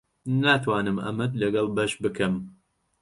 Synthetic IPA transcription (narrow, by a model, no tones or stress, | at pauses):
naːt̪ʰwaːnɨmʔɐ̰mɐd̪lɐɡɐlˠbɐʃbɨkʰɨm